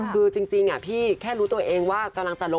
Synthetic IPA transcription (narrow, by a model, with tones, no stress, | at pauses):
kʰɯː˧t͡ɕi˧ŋt͡ɕi˧ŋʔa̰˨˩pʰiː˥˩kʰɛː˥˩ɾuː˦˥t̪u˧ɐʔeː˧ŋwaː˥˩ka˧mla˧ŋt͡ɕa˨lo˧˥